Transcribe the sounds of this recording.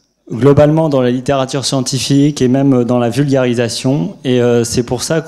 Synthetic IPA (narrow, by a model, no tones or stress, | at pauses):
ɡlɔbalmɑ̃d̪ɑ̃lalit̪eʁat̪yʁsjɑ̃t̪ifikemɛmød̪ɑ̃lavylɡaʁizasjɔ̃eøsɛpuʁsak